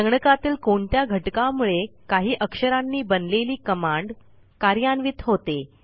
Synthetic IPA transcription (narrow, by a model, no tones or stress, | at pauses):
əŋɡɳəkat̪iːlkoɳt̪jaɡʱəʈkamuɭekaɦiːʔəkʂəɾanːiːbənleliːkəmaɳɖ | kaɾjanʋit̪ɦot̪e